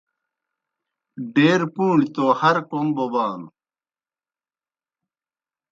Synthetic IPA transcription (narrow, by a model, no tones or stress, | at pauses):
ɖeːɾpũːɳit̪oːhɐɾkombobaːl